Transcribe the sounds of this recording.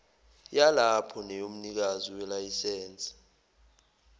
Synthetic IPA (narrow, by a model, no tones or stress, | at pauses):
jalapʰɔnɛjom̩nik̬aziwɛlajisɛːnt͡sʼḁ